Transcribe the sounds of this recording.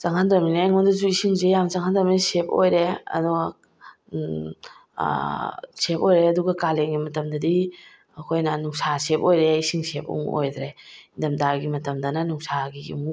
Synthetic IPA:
t͡ʃaŋhandɾɐminaeŋondɐzuisiŋzejamzaŋhand̪ɾɐminasep̚o̰jɾeɐ̰duɡa | sep̚ojɾeɐduɡɐkaleŋɡimɐtɐmdɐdi | ɐkʰojnɐnuŋsasepojɾeisiŋsep̚ṵŋo̰jd̪ɾeindɐmdaɾɡimɐtɐmdɐnɐnuŋsaɡiḭmuk

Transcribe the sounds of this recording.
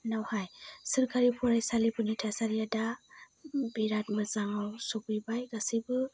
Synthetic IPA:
nawhajsɯɾkʰaɾipʰɔɾajsalipɯnitʰasaɾijada | biɾat̚mɯzaŋawsɔpɯjbajɡasibɯ

